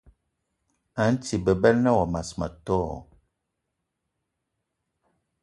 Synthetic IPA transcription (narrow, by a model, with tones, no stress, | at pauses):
a˨˦n̩˦ti˨bə˨bɛ˦lnə˦wɔ˨ma˨sma̰˨tɔː˦˨